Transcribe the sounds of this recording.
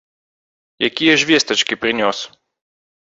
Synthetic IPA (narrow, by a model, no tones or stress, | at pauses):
jɛkʲijɛʒʋʲjest̪ɛt͡ʃkipɾinʲɔs